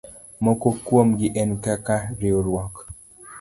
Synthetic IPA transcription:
mɔkokwomɡɪʔɛnkakaɾioɾwɔk

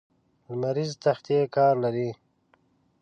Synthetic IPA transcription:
lmaɾizt̪axt̪jekɑːɾlaɾi

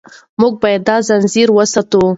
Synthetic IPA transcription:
muɡ̚bɑjad̪ːɑzanziɾwəsɑt̪u

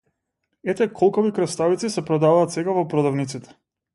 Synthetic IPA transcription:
ɛt̪ɛkʰɔlˠkɔvikɾɛst̪avit̪sisɛpɾɔd̪avaːt̪sɛɡavɔpɾɔd̪avnit̪sit̪ɛ̥

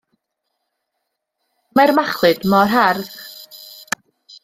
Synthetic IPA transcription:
marmaχlˠɨd̥mɔrɦarð

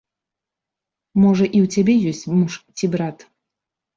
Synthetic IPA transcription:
mɔʐɐʔiwt͡sʲabʲɛjɔsʲt͡sʲmuʂt͡sʲibɾat̪

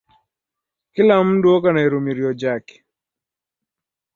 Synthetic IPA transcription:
kɪlamndwokanaeɾumiɾjɔd͡ʒak

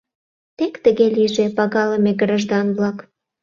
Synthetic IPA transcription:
t̪ekt̪əɣeliʒepɑɣɑləmeɡrɑʒd̪ɑnβlɑk

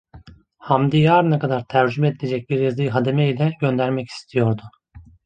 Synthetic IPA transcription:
hamd̪ijaːɾɯnakad̪aɾt̪ʰæɾd͡ʒymɛd̪ilʲed͡ʒɛc̚biɾjazɯjɦad̪e̞mɛilʲɛɟø̞nd̪æɾmɛci̥st̪ʰijo̞ɾd̪ʊ

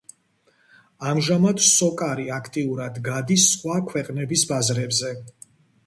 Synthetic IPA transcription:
amʒamad̪sɔkʼaɾiakʰt̪ʼiuɾad̪ɡad̪isːχwakʰwɛqʼnɛbisbazɾɛbzɛ

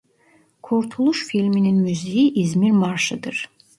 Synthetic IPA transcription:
kʰuɾt̪ʰulˠuʃfilʲmininmyzijiʔizmiɾmaɾʃɯd̪ɯɾ̥

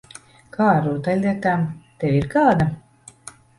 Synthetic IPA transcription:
kʰaːɾuːt̪alʲɛt̪aːmt̪ɛwiɾkaːd̪a

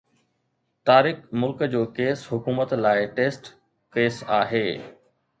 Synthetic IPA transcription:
t̪aːɾɪxmʊlkd͡ʑoːkeːsɦʊkuːmət̪laːɪʈeːsʈ | keːsa̰ːɦeː

